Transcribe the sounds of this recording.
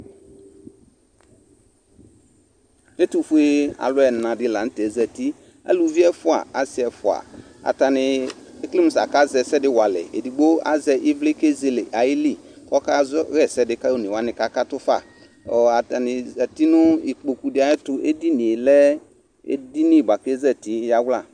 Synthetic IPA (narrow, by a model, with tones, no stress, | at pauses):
e˦tu˨fu˦e˦a̰˨lʊ˦ɛ˨nã˨dɪ˦la˨n̩˦tɛ˨zɛ˨ti˦ | a̰˦lu˨vi˦ɛ˦fʊ˦a̰˨a˦sɪ˦ɛ˨fʊ˨a̰˨ | a̰˨ta˨nɪ˨e˦kli˦mu˨sa̰˨ka˦zɛ˨sɛ˦dɪ˦wa˨lɛ̰˨ḛ˨di˨ɡ͡bo˦a̰˦zɛ˦ʔɪ˦vle˦ke˦ze˦lɪ˨ʔa˨jɪ˦li˦˨kɔ˦ka˦zɔ˦ɣɛ˦˨sɛ˦dɪ˨ka˦o˦ni˨wa˦nɪ̃˨ka˦ka˦tʊ˦fa̰˦˨ | ɔ˨a˨ta˨nɪ˨zɛ˨ti˦nʊ˦i˨k͡po˨ku˨dɪ˦a˨˦ɪ˦tʊ˦ʔe˦di˦nĩ˨e˨lɛ˦ | ḛ˦di˦nĩ˦˨ba˨ke˦zɛ˦˨ti˦ja˦wla˦˨